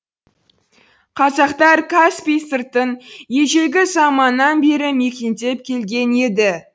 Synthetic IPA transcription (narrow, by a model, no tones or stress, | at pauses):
qʰɑzɑqt̪ɑɾkʰaspijsɨrt̪ənje̞ʒe̞ɡʲɪzɑmɑnːɑnbe̞ɾɪme̞kʲent̪e̞p̚kʲʰe̞lɡʲe̞ne̞d̪ɪ